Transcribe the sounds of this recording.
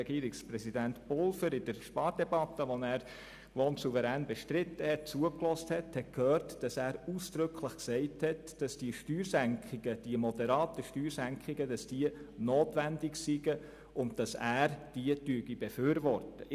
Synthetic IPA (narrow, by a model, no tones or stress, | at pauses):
ɛɡiːəɾɪksprɛsidæntb̥ɔlfəɾɪd̥əɾʃpɑːɾd̥ɛbɑtːəʋonæːɾ | ʋoːnsuvəɾæːnbɛʃtɾɪtːəhɛt̚t͡suəklɔsthɛthɛt̚kʰhøːɾtd̥ɑsæːɾuːsd̥ɾʏkʰləχksɛɪthɛtd̥ɑsd̥iəʃtyːɾsæŋkχɪɡ̥əd̥iəmɔd̥ɛɾɑːtəʃtyːɾsæŋkχɪɡədɑsd̥iənoːtʋændɪksiɡə | ʔʊnt̚d̥ɑsæːɾd̥iədyəɡib̥efyːɾʋɔrtə